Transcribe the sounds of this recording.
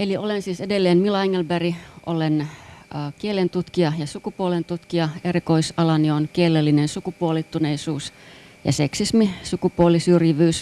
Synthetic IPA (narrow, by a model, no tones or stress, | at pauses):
eliolensiːsedelːeːnmilɑiŋːelbærio̰lenəːkielent̪ut̪kiɑjɑsukupuolent̪ut̪kiɑerikoisɑlɑnionkielːelːinensukupuolit̪ːuneisuːs | jɑ̰seksismisukupuolisyrjiʋyːs